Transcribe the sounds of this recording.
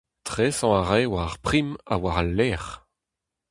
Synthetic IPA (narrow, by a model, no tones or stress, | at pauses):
t̪ʁesɑ̃aʁɛwaʁpχima̰waʁalːɛːʁ